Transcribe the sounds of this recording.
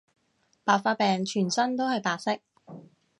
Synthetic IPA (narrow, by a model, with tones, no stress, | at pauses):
paː˨˧k̚faː˧t̚pɛː˨ŋt͡ʃʰyː˨˩nsɐ˥nt̪o˥whɐ˨jpaː˨k̚sɪ˥k̚